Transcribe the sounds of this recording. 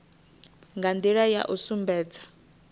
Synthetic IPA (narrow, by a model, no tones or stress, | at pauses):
ŋɡand̪iɺaja̰ʔusumbɛːd͡zḁ